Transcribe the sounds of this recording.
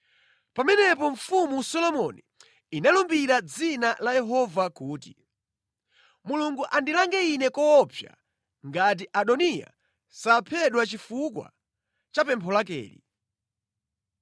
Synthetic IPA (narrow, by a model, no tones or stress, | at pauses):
pamɛnɛpɔɱfumusɔlɔmɔni | inalumbiɾad͡zinalajɛɦɔvakuːt̬ḭ | muluŋɡuʔandilaŋɡɛinɛkɔːpʰja̰ | ŋɡat̬iʔaɗɔnija̰ | sapʰɛɗwat͡ʃifukwa̰ | t͡ʃapɛmpʰɔlak̬ɛ̰ːlḭ